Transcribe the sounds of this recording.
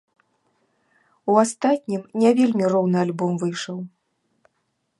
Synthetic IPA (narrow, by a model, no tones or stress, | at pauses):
uast̪at̪̚ʲnʲimnʲavʲelʲmʲirɔwnɨalʲbɔmvɨjʂɐw